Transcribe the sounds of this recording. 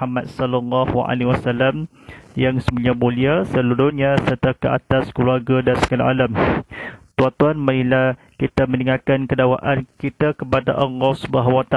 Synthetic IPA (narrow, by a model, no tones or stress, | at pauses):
amat̪̚sɔlɔlːɔhwa̰ʔa̰liwasalam | jaŋsəbəɲamũliasəlulʊtɲãsərt̪akəʔa̰t̪askəluarɡadansə̥kala̰ʔalam | t̪uat̪uanmənila | kit̪amə̃niŋakankədawa̰ʔankit̪akəpadaʔəŋɔsbaɦawat̪a